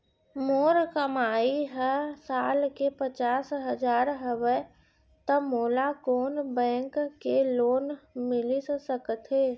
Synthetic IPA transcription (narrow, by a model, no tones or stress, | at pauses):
moːɾkəmaːiɦɛsaːlkepət͡ʃaːsɦəd͡ʒaːɾɦəwə | t̪əmoːlakoːnbɛ̃ːŋkkːeloːnmɪlissəkət̪ɦeː